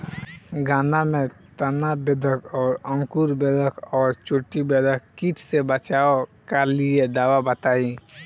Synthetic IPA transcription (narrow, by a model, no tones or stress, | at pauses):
ɡaːnamẽt̪ənabed̪ʱəkʰɔːɾə̃ŋkuɾbed̪ʱəkʰɔːɾt͡ʃoʈːibed̪ʱəkkiʈʰsebət͡ʃaːkəlied̪aːwabət̪aːĩ